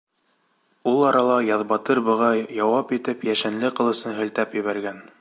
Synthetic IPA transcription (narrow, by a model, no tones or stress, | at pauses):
ulˠɑɾɑlˠɑjɑðbɑt̪ɤɾbɤ̆ʁɑjɑwɑpit̪ɘpjæʃænlɘqɤ̆lˠɤ̆sɤnɦɘ̆lt̪æpjɘ̆βæɾɡæn